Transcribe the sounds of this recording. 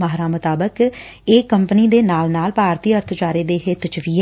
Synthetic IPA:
maɦɾãːmʊt̪aːbəkeːkəmpniːd̪eːnaːlnaːlpaːɾt̪iːəɾt̪ʰt͡ʃaːɾiːd̪eːɦɪt̪t͡ʃʋiː

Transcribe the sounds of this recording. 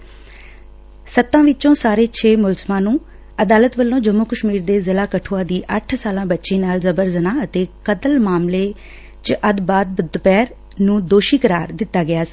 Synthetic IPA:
sət̪ːãːʋɪt͡ʃõːsaːɾeːt͡ʃʰeːmʊlzmãːnũː | əd̪aːlət̪ʋəlːõːd͡ʒəmːuːkəʃmiːɾd̪eːzɪlaːkəʈʰoːãːd̪iːʔəʈʰsaːlãːbətːʃĩːnaːlzəbəɾzənaːət̪eːkət̪əlmaːmleː | t͡ʃəʔəd̪baːd̪̚bʊd̪pɛːɾ | nũːd̪oːʃiːkəɾaːɾd̪ɪt̪ːaːɡɪaːsː

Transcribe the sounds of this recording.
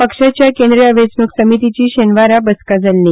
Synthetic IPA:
pəkʂat͡ɕjakẽnd̪ɾijaʋesnuksəmit̪it͡ɕiːɕenʋaɾabəskad͡zalːi

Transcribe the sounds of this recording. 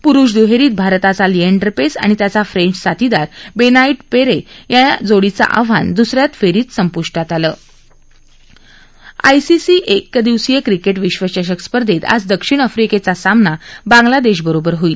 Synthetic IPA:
puɾuːʂd̪uɦeɾiːt̪̚bʱaɾt̪at͡salieɳɖəɾpesa̰ɽ̃it̪jat͡safɾẽɲt͡ɕsat̪id̪aɾbenaiʈpeɾejaad͡zoɽit͡sa̰ʔa̰ʋ̤a̰nd̪usɾjat̪feɾiːt̪səmpuʂʈat̪aləː | a̰jsisiʔekːd̪iʋsijəkɾikeʈʋiɕʋəɕaɕ̬əkspəɾd̪ʱet̪a̰d͡zd̪əkʂiɳ̃əfɾiket͡sasamnabãŋɡlad̪eɕ̬bəɾobəɾɦoiːl

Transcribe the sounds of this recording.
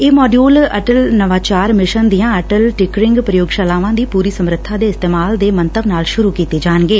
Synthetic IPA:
eːmɔːɖiuːləʈəlnəʋaːt͡ʃaːɾmɪʃənd̪ijãːəʈəlʈɪkɾɪ̃ŋɡpɾəjoːɡʃaːlaːʋãːd̪iːpuːɾiːsəmɾɪt̪ʰːaːd̪eːɪst̪eːmaːld̪eːmənt̪əbnaːlʃʊɾuːkiːt̪eːd͡ʒaːnɡeː

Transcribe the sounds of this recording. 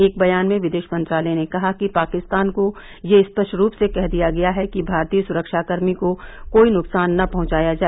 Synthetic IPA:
eːk̚bɐjaːnmẽʋɪd̪eːʃpɐ̃nt̪ɾaːlɛnekɐɦakipaːkɪst̪aːnko | jeɪspəʃɾuːpsekɛɦd̪ijaɡɐjaɦɛkibʱaːɾt̪iːəsʊɾəkʃaːkəɾmikokoːinʊksaːnːɐpɐɦʊ̃t͡ʃaːjad͡ʒaːɛe

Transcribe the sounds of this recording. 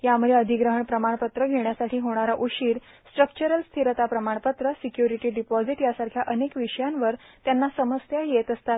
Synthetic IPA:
jaməd̪ʱeəd̪ʱiɡɾəɦəɳpɾəmaɳpət̪ɾəɡʱeɳjasaʈʰiːɦoɽ̃aɾaʔuɕiːɾ | sʈɾəkt͡ɕəɾəlst̪ʰiɾət̪apɾəmaɳpət̪ɾəsikjuɾiʈiːɖipɔd͡ziʈjasaɾkʰjaʔənekʋiʂəjãnʋəɾt̪janːasəməst̪jajet̪əst̪at̪

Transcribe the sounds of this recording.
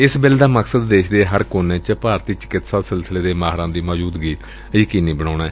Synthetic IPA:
ɪsbɪld̪aːməksəd̪ːeːʃd̪eːɦəɾkoːnẽːt͡ʃəpaːɾt̪iːt͡ʃɪ̥kɪt̪saːsɪlsleːd̪eːmaːɦɾãːd̪iːməːd͡ʒuːd̪ɡiː | ikiniːbəɽ̃aːnaɛː

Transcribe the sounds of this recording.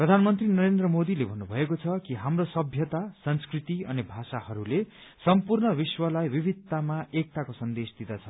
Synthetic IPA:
prʌd̪ʱanmʌnt̪rinʌɾend̪rʌmod̪ilebʱʌnːubʱʌekot͡sʰʌkiɦamrosʌbʱjʌt̪asʌnskrit̪iʌ̰nibʱasahʌɾule | sʌmpurnʌbiswʌlajbibʱid̪amaek̚t̪akosʌnd̪esd̪id̪ʌt͡sʰʌ

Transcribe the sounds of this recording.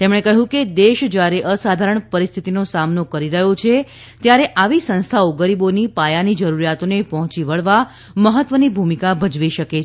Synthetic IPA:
t̪emɳekəɦũked̪eʃd͡ʒjaɾeʔəsad̪ʱaɾəɳpəɾist̪ʰit̪inosamnokəɾiɾəɦot͡ʃʰe | t̪jaɾeʔaʋisə̃nst̪ʰaoɡəɾibonipajanid͡ʒəɾuɾijat̪onepɔɦɔ̃t͡ʃiʋəɭʋa | məɦət̪ʋənibʱumikabʱəd͡ʒʋiʃəke

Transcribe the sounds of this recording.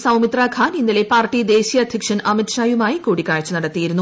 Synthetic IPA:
sɐwmit̪raːɡʱaːninːilepaːrʈːid̪e̞ːɕijɐd̪ʱjɐkʂɐnʔɐmiʈʂaːjumaːjikuːɽikːaːɻt͡ɕːɨnɐɽɐt̪ːijiɾunːu

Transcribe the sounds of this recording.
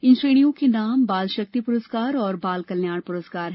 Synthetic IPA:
ɪ̃nsɾeːɽ̃ijõkenaːmbaːlʃək̚t̪ipʊɾəskaːɾɔːɾbaːlkɐljaːɽ̃pʊɾəskaːɾɦɛː

